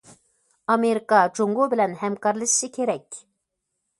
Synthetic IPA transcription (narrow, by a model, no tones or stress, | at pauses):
ɑmeɾikɑd͡ʒoŋɡobɪlænhæmkɑɾlˠɨʃʃikʲʰeɾɛkʲ